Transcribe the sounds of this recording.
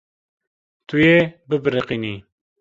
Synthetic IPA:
t̪ʰujebɨbɨɾɨqini

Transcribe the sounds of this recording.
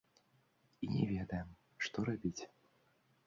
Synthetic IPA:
inʲɛvʲɛd̪ɐjɛm | ʂt̪ɔɾabʲit͡sʲ

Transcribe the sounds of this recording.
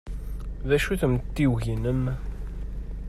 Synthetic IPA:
ðæʃuθəmt̪ːiwʝinəm

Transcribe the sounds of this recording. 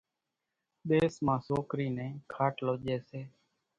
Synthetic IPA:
ɗ̪eːsmãːsoːkɾiːnẽːkʰaːʈloːʄeːseː

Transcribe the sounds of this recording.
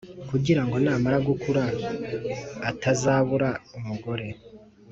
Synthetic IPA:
kuɟiɾaŋɡo̞naːmaɾaɡukuɾa | tazaːβuɾaumuɡo̞ɾe̞

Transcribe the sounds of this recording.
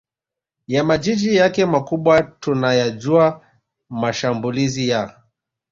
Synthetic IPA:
jamad͡ʒid͡ʒijakɛmakuɓwatunajaʄua | maʃambulizija

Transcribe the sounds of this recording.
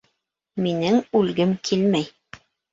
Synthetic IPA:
minɘŋʉlɡɘmkʰilmæj

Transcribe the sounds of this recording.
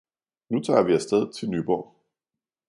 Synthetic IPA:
nut͡sʰɑ̰̈ːʋiæsd̥eð̞ˠt͡sʰe̝lnyːb̥ɒ̰ː

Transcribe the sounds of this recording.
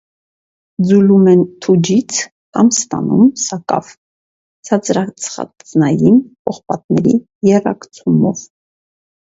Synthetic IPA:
d͡zulumɛnt̪ʰud͡ʒit͡sʰ | kɑmst̪ɑ̰numsɑkɑ̰v | t͡sʰɑt͡sɾɑt͡sʰχɑ̰t͡snɑjimpɔχpɑt̪̚nɛɾi | jɛrɑ̰kt͡sʰumɔv

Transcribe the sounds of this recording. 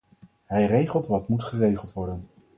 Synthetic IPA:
ɦɛjrejχəlˠtʋɑtmutχərejχəlˠtʋɔɹdən

